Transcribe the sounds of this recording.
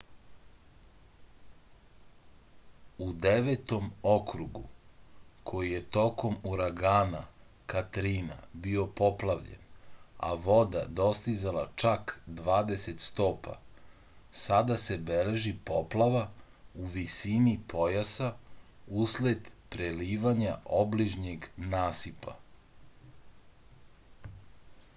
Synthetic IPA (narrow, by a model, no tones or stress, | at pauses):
ud̪eʋet̪o̞mokɾuɡu | kʰo̞jije̞t̪o̞ko̞muɾaɡaːna̰ | kat̪ɾina̰bio̞po̞plaʋʎḛna̰ʋo̞d̪ad̪o̞st̪izalat͡ʃakd̪ʋaːd̪e̞se̞t̪st̪o̞ːpʰa̰ | sad̪ase̞beleʒipoplˠaʋa | uʋisinipʰo̞jasa | usled̪pɾeliːʋaɲaobliʒɲeɡnaːsipa̰